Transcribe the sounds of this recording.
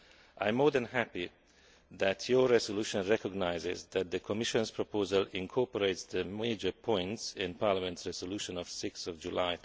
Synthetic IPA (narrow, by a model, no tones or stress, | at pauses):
ʔãj̃mːɔɹd̪ə̃nhæpi | ðætʰjɔɹɛzɔluʃɔ̃nɹɛkɔɡnaɪzɪzd̪æt̪̚d̪əkʰɔmɪʃɔ̃nspʰɹɔpʰozəlɪ̃nkʰɔɹpɔɹeɪtsd̪əmeɪd͡ʒəpʰɔ̃ɪ̃ntsɪ̃npaːɹlamɛ̃ntsɹɛzɔluːʃɔ̃nɔv̥sɪksɔvd͡ʒulaɪ